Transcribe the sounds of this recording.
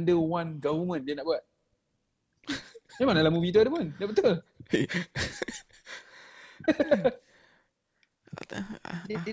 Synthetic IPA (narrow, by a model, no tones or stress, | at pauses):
ndəwanɡavəmə̃ndiənaʔbuat̪̚ | jamanalamubit̪̬uadəmənaʔbət̪ol